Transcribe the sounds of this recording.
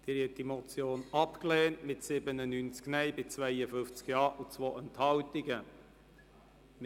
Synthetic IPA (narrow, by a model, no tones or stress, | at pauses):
d̥ɪɾɛtd̥imot͡sjoːnɑpkleːntmɪtsɪbənənynt͡sknɛɪbɪt͡svæɪəfʏft͡skjɑːʔut͡svoːʔɛnthɑltɪɡə